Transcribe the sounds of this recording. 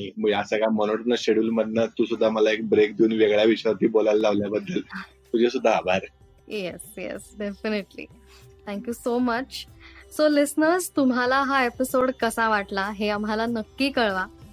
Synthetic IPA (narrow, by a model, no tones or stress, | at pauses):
iməɡasəɡamɔnoʈnəɕeɽuːlmədnət̪usud̪ʱːaməlaek̚bɾek̚d̪iuːnʋeɡɭjaʋiɕʋat̪iːbolalːaʋljabəd̪ʱːəl | t̪ud͡ʑʱesud̪ʱːaːbʱaɾ | jesjḛsɖefiniʈlḭ | t̪ʰæ̃ŋkjuːsomət͡ɕsolisnəɾzt̪umɦalaɦaepisoɽkəsãʋaʈlaɦeam̤ɦalanəkːiːkəɭʋa